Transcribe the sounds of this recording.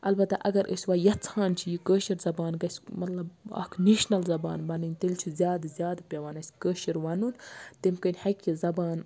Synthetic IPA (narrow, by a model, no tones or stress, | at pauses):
ʔɐlbɐt̪ɐʔɐɡɐɾʔə̰sʲʋɐːjɐt͡sʰaːnt͡ʃʰijikəːʃiɾzɐbaːnɡɐsʲmɐt̪lɐbɐ̰kʰniːʃnɐlzɐba̰ːnbɐnɨnʲt̪elʲt͡ʃʰizʲjaːd̪zʲjaːd̪pʲɐʋɐnɐsʲkəːʃiɾʋɐnunt̪emkənʲhɐkʲizɐbaːn